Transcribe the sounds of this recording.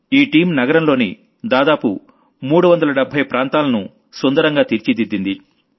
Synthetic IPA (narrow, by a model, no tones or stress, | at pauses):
iːʈiːmnɐɡɐɾɐmlo̞ːni | d̪aːd̪aːpu | muːɽuʋɐnd̪ɐlɐɖɛbʱːɐjpɾaːnt̪aːlɐnu | sond̪ɐɾɐŋɡaːt̪iɾt͡ʃid̪id̪ːind̪i